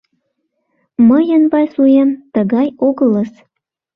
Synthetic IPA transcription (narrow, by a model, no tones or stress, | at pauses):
məjənβɑsujemt̪əɣɑjoɣələs